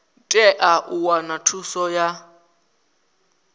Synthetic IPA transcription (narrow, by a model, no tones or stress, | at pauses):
tʼɛʔaʔuwanatʰusɔja